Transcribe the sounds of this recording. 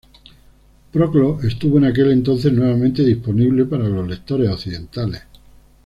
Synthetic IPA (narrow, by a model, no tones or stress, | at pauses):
pɾoklo̞e̞st̪uβoenake̞le̞nt̪o̞n̟θe̞znwe̞β̞amẽnt̪e̞ðispo̞niβle̞paɾalo̞zle̞kt̪o̞ɾe̞soθiðe̞nt̪ales